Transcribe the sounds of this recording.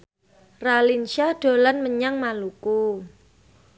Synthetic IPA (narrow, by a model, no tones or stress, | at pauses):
ralinʃaɖ̥o̤lanməɲaŋmaluku